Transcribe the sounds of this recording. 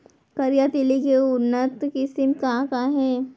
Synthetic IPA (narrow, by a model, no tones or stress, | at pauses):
kɐɾjat̪ɪlikeʊnːət̪kɪsɪmkakaɦɛː